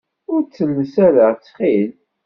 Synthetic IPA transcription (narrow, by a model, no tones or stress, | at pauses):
ʊɾt͡sːəlːəsæɾəʁt͡sːχil